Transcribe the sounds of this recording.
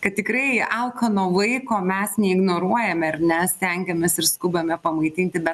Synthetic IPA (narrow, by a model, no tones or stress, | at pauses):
kɐt̪̚t̪ʲɪkɾɐɪɐlˠkɐnoːlˠɐɪkoːmʲɛsnʲɛɪɡnoːɾuɔjɛmʲɛɐrʲnʲɛsʲt̪ʲɛŋʲɡʲɛmʲɛsɪɾskʊbɐmʲɛpɐmɐɪt̪ʲɪnʲt̪ʲɪbʲɛt̪